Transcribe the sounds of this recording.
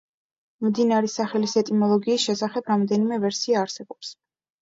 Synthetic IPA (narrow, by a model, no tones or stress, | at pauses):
md̪inaɾɛsaχɛlisɛt̪ʼimɔlˠɔɡiːsʃɛsaχɛbɾamd̪ɛnimɛvɛɾsiaːɾsɛbɔps